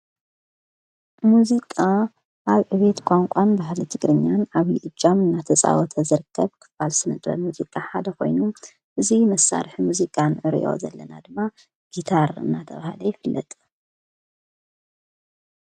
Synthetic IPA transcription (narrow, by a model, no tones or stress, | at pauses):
muzikʼa | ʔaβʕɨβe̞t̪kʷʼaŋkʷʼanbaɦlit̪ʰɨɡɾɨɲːanaβiʔɨd͡ʒamɨnːat̪ʰɐt͡sʼa̰wɔt̪ʰɐzɨɾɨkʰːɐβkʰɨ̥falsɨnɨt̪ʼɾɐ̰muzikʼaħad̪ɐkʰo̞̰jnum | ʔɨzimɐsːa̰ɾħimuzikʼanʕɨɾ̰ʔo̞̰zɐ̰lːɐna̰d̪ɨmːa | ɡ̥it̪ʰaɾɨ̰nːat̪ʰɐβahalɐjɪfɨlːɐ̰t̪ʼ